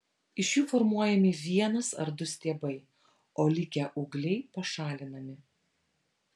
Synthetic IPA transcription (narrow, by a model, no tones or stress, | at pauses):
ɪʃjuːfɔɾmuɔjɛmʲɪʋʲiɛnɐsɐ̰ɾd̪ʊsʲt̪ʲeːbɐɪ | oːlʲɪkʲɛʔʊɡlʲɛɪpɐʃɑːlʲɪnɐmʲɪ